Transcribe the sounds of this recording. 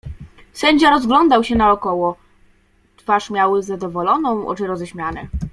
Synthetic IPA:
sɛɲd͡ʑaɾɔzɡlɔnd̪awɕɛnaɔkɔwɔ | t̪faʂmʲjawɘzad̪ɔvɔlɔnɔ̃w̃ɔ̰t͡ʂɘɾɔzɛɕmʲjanɛ̰

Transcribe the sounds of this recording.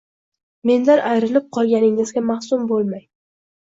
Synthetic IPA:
me̞nd̪anʔajɾɪlɪp̚qʰɒlˠɡʲanɪŋɪzɡʲamahsʊmbolˠmaj

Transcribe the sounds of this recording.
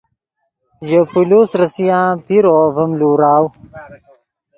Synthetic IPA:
ʑəpulusɾəsijãːpiɾovɐmluːɾaːw

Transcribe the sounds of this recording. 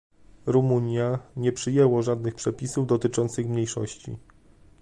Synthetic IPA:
ɾumuɲjaɲɛpʂɘjɛwɔʐad̪nɘxpʂɛpʲisuvd̪ɔt̪ɘt͡ʂɔnt̪sɘxmɲejʂɔ̰ɕt͡ɕḭ

